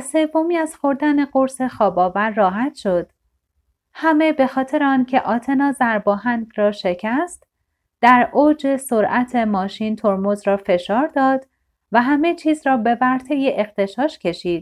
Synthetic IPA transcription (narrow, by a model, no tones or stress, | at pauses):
se̞vːo̞miːæzxo̞ɾd̪æne̞ɢoɾse̞xɒːbɒːvæɾːɒːɦæt̪ʃo̞d̪̥ | hæme̞be̞xɒːt̪ʰe̞ɾeɒːncʰe̞ʔɒːt̪ʰe̞nɒːzæɾbɒːɦænd̪ɾɒːʃe̞cʰæst̪ | d̪̥æɾoːd͡ʒe̞so̞ɾʔæt̪ʰe̞mɒːʃiːnt̪ʰoɾmozɾɒːfe̞ʃɒːɾd̪ɒːd̪ | væɦæmet͡ʃʰiːzɾɒːbe̞væɾt̪ʰe̞jeʔext̪ʰe̞ʃɒːʃcʰe̞ʃiːd̪̥̚